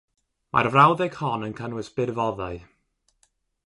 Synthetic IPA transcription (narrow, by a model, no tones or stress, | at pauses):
ma̰rvrawðɛɡhɔnənkʰənwɪsb̥ɪrvɔðaɨ